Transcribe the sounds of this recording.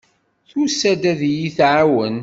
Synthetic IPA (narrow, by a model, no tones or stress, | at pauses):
θusæd̪æðjiθʕawən